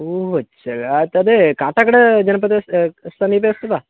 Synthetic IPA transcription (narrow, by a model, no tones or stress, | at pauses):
oːɐ | ɐlt̪ɐd̪ekaːʈakɐɽed͡ʒɐnɐp̬ɐt̪est̪ɐnipest̪ɐbaː